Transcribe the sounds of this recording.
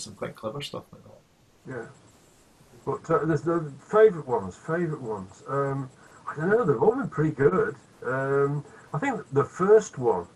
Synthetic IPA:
sə̃mkʰwaɪʔkʰl̥ɛvə˞stʌ̰faɪk̚ðə̰ʔ | jæ | b̥ʌtʌðəzðəfeɪvəɹəʔwʌ̃nz̥feɪvəɹəʔwʌ̃nz̥ʌ̃m | aɪdõʊ̃nːoʊðəvɔlˠbə̃npʰɹ̥ɪɾiɡʊd̥ | ʌ̃maɪθɪ̃ŋk̚ðəfɜˑ˞st̚wʌ̃n

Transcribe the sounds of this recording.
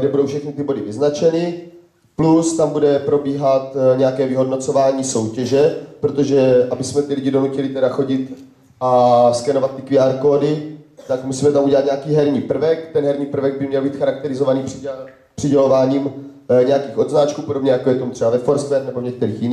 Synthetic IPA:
ɡdɛbudo̞wfʃɛxnɪt̪ɪbo̞dɪvɪznat͡ʃɛnɪ | plust̪ambudɛpɾo̞biːɦat̪ɲɛjakɛːvɪɦo̞dno̞t͡sovaːɲiːso̞wcɛʒɛpɾot̪o̞ʒɛʔabɪsmɛt̪ɪlɪɟɪdo̞nucɛlɪt̪ɛdaxo̞ɟɪt̪ | ʔaskɛnovat̪tːɪkɪaɾkoːdɪt̪akmusiːmɛt̪amuɟɛlat̪ɲɛakiːɦɛɾɲiːpr̩vɛkt̪ɛnɦɛɾɲiːpr̩vɛɡ̚bɪmɲɛlbiːt̪xaɾak̚t̪ɛɾɪzovaniːprɪ | pr̥ɪɟɛlo̞vaːɲiːm | ɲɛjakiːxo̞d̪znat͡ʃkuːpodobɲɛjakojɛt̪omt̪r̥ɛbavɛfoɾskvɛɾnɛbovɲɛk̚t̪ɛɾiːxjɪniː

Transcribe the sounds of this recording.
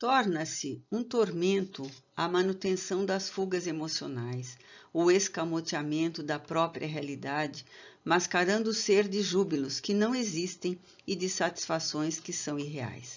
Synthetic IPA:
t̪ɔɾnɐsɪũt̪oɾmẽnt̪ʊɐmɐ̃nut̪ẽsɐ̃w̃d̪ɐsfuɡɐzemosionajsʊeskamot͡ʃiamẽnt̪ʊd̪ɐpɾɔpɾiɐɦealid̪ad͡ʒɪmaskaɾɐ̃nd̪ʊʊseɾd͡ʒɪʒubilʊskɪnɐ̃w̃ezist̪ẽj̃ | ɪd͡ʒ̪ɪsat͡ʃi̥sfasõj̃skɪsɐ̃w̃iɦea̰js

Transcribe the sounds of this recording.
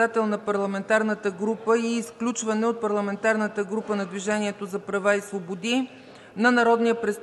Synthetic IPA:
at̪ɛlˠnɐpɐɾlˠɐmɛnt̪aɾnət̪əɡɾupəiːsklʲut͡ʃvɐnɛot̪̚pɐɾlˠɐmɛnt̪aɾnət̪əɡɾupənɐd̪viʒɛniɛt̪ozɐpɾɐvaisvobod̪i | nɐnɐɾɔd̪nijəpɾɛst̪

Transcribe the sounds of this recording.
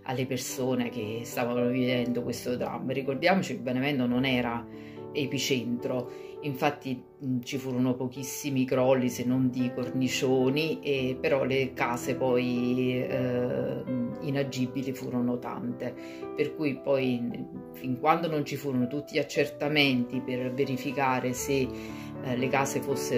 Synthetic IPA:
a̰lːepersoːnek̟est̪aːvanovivɛnd̪okwest̪od̪ɾa̰mːɾikord̪jaːmot͡ʃilbenemɛnd̪ononɛːɾa | epit͡ʃɛnt̪ɾo | iɱfat̪ːi | t͡ʃifuːɾonopok̟isːimikɾɔlːisenːond̪ikornit͡ʃoːniepeɾɔlekaːsepɔj | inad͡ʒːibːilifuːɾonot̪a̰nt̪e | perkujpɔj | fiŋkwand̪onont͡ʃifuːɾonot̪ut̪ːiat͡ʃːert̪ament̪iperveɾifikaːɾese | lekaːsefosːe

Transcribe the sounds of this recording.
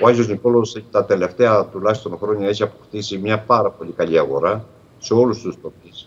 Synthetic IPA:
oɐzo̞zniko̞lose̞çi̥t̪ɐt̪e̞le̞ft̪e̞ɐt̪ulɐçist̪o̞ŋxɾo̞ɲoe̞çiɐpo̞xt̪isimɲɐpɐɾɐpo̞ʎʲikɐʎiɐɣo̞̰ɾɐ | se̞o̞lust̪ust̪o̞pis

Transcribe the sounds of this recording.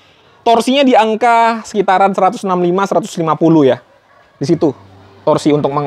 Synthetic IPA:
t̪ɔrsiɲadiaŋkasə̥kit̪aɾansəɾat̪ʊsnamlimasəɾat̪ʊ̥slimapuluhja | disit̪u | t̪ɔrsiunt̪ʊk̚mə

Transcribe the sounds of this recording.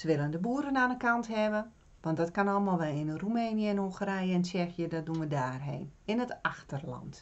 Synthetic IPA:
səʋɪlˠəndəbuːəɾənaːnəkantɦɛʋə | ʋɔntdɔtkanɔlˠmalˠʋɛlˠɪnrumeːnjəɛnhoxəɾɛjəɛnt͡ʃɛxjədɔt̚dunʋədaːrɦḛːnɪnətaxtərlɑ̰nt

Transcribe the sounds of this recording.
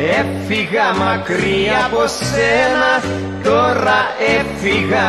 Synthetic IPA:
efiɣamakɾiaposenas | t̪oraefiɣa

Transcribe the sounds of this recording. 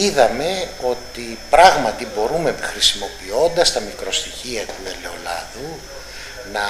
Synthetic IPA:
iðɐme̞o̞t̪ipɾɐɣmɐt̪ibo̞ɾumexɾisimo̞pio̞nd̪ɐst̪ɐmikɾo̞st̪içiɐt̪ue̞le̞o̞lɐ̰ðu | nɐ

